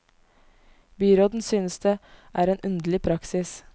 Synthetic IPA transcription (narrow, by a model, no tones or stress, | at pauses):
byːɾoːd̪n̩syːnəsd̪eːʔæːɾeːnʔʉnd̪lɪpʰɾɑksɪs